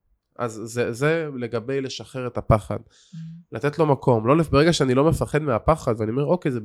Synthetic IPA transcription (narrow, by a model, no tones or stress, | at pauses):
ʔa̰zːezele̞ɡabejle̞ʃaχe̞ʁet̪apaχa̰d̪ | lat̪etlo̞makʰo̞mlolefbeʁeɡaʃeanilo̞mefaχe̞d̪meapaχad̪veɛaniome̞o̞kejze